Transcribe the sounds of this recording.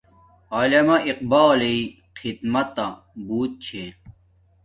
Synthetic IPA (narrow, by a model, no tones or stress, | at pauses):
alɐmɐʔiq̚baːlei | qid̪mɐt̪ɐ | buːt̪̚t͡ɕʰe